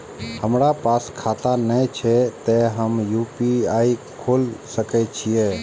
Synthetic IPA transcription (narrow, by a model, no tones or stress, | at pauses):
həmɾapaːskʰaːt̪anət͡ʃʰɛt̪eɦəmjuːpiaːi | kʰoːlsəkɛt͡ʃʰije